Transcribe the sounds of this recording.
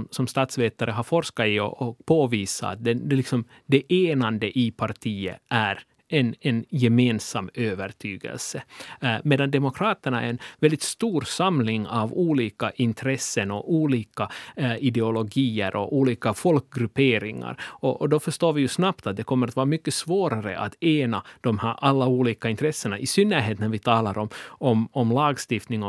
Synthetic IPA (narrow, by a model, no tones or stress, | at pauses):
msɔmst̪ɑːt̪sveːt̪aɾʔəɦaɾfɔɾʂkaɪɔ̰ʔɔpʰoːviːsa̰ːt̪̚d̪ɛɛlɪksɔm | d̪ɛʔeːnand̪əʔɪpʰaɾt̪ʰiːə̰ʔæɾ | ʔɛnɛnjɛmeːnsamːøːvəɾʈʰyːɡɛ̰lsəmeːd̪and̪ɛmʊkʰɾɑːt̪æɳaɛ̰ɾɛnvɛld̪ɪt̪st̪uːɾsamlɪŋɑvuːliːkaʔɪnt̪ʰɾɛsːənɔʔuːliːkaɪd̪ɛʊlɔɡiːəɾʔɔ̰ʔuːliːkafɔlkɡɾɵpeːɾɪŋa̰ɾɔʔɔd̪ɔfœʂt̪oːɾvɪjɵsnapt̪at̪̚d̪ɛkʰɔmːəɾat̪vɑːɾamʏkːəsvoːɾaɾə̰ʔa̰t̪eːnad̪̥ɔmhæːɾʔalːauːliːkaɪnt̪ɾɛsːəɳaʔɪsʏnːæɾɦeːt̪næɾvɪt̪ʰɑːlaɾɔmɔmɔmlɑːɡst̪ɪft̪nɪŋɔ